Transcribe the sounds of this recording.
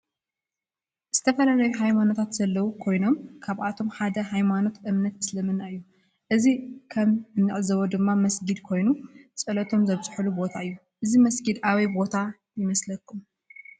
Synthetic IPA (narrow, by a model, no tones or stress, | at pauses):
z̥ɨt̪ʰɐfɐlalɐjuɦajmanot̪ʰat̪z̥ɐlːɐwukʰo̞jno̞mkʰaβʔat̪ʰo̞mħad̪ɐɦajmano̞t̪ʔɨmnɐt̪mɨslɐmɨnːaɨjːu | ʔɨzikʰɐmɨnːɨʕzɐβod̪ɨmːamɐsɡid̪kʰo̞jnut͡sʼɐlɐt̪ʰo̞mzɐβt͡sʼɨħulubo̞t̪ʰaɨjːu | ʔɨzimɐsɡid̪aβibo̞t̪ʰa | jɪmɐslɐkʰːum